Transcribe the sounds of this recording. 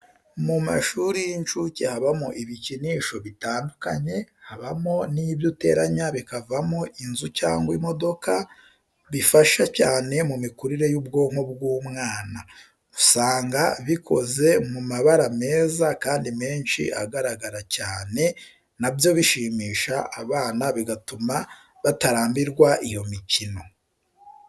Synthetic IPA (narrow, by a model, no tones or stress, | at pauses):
muma̰ʃuɾijint͡ʃucehaβamoʔiβiciniːʃo̞βitaːnduka̰ɲe̞haβamo̞niβjute̞̰ɾaɲaβikavamo̞ʔinzuca̰ːŋɡwimo̞do̞kʰa | βifaʃacaːne̞mumikuɾiɾe̞jub̚ɡo̞ŋ̥obɡuːmŋaːna | usaːŋɡaβikʰo̞̰ze̞mumaβaɾame̞ːzakaːndime̞ːnʃḭʔa̰ɡaɾaɡaɾacaːne̞ | nabjo̞βiʃiːmiːʃaʔaβaːnaβiɡatuma | βataɾaːmbiɾɡwaʔijo̞micino̞